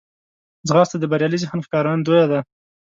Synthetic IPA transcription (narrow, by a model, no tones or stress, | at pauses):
zɣɑst̪ad̪əbaɾjɑlizaxanxkɑɾɑnd̪ojad̪a